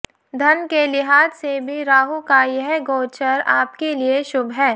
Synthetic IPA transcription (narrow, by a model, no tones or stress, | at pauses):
d̪ʱɐnkelɪɦaːd̪sebʱiɾaːɦukajəɦɡoːt͡ʃəɾaːp̚kelieʃʊbɦɛː